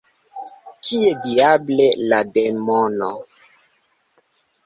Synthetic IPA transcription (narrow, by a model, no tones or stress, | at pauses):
kʰiediablelademono